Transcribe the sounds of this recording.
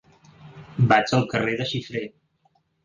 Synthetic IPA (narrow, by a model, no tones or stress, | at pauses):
bad͡ʒəlˠkəreðəʃifɾe